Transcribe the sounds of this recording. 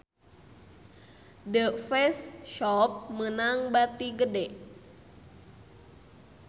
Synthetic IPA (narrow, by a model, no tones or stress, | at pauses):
dəfɛsʃɔp̚mənaŋbat̪iɡədɛʔ